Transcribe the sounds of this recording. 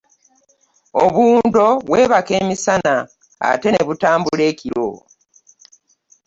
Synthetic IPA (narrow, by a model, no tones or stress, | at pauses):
oβuːndo̞βwe̞ːβake̞ːmisana | a̰te̞neβutaːmbuule̞ːciɾo̰